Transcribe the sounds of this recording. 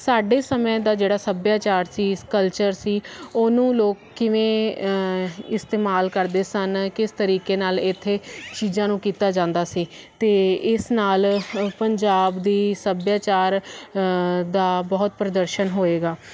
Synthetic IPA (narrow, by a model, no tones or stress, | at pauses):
saːɖeːsəmẽːd̪aːd͡ʒeːɽaːsəbjaːt͡ʃaːɾsiːskəlt͡ʃəɾsiːoːnũːloːkːɪʋẽː | ɪst̪eːmaːlkəɾd̪eːsənkɪst̪əɾiːkeːnaːlɪt̪ʰːeːt͡ʃiːzãːnũːkiːt̪aːd͡ʒãːnd̪aːsiː | t̪eːɪsnaːlpəɲd͡ʒaːbd̪iːsəbjaːt͡ʃaːɾ | d̪aːbɔːt̪̚pɾəd̪əɾʃənɦoːeːɡaː